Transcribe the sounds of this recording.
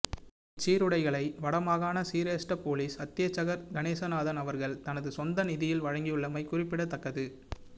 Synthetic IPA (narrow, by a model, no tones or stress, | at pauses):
t͡ʃːiːɾɯɽɐɪɣɐɭɐɪʋɐɽɐmaːɣaːnɐsiːɾeːsʈɐpoːliːsɐt̪ːɪjɐt͡ʃːɐɣɐɾɡɐneːsɐnaːðɐnɐʋɐɾɣɐɭt̪ɐnɐðɯsɔnd̪ɐnɪðɪjɪlʋɐɻɐŋɡijɯɭːɐmɐɪkʊrɪpːɪɽɐt̪ːɐkːɐðɯ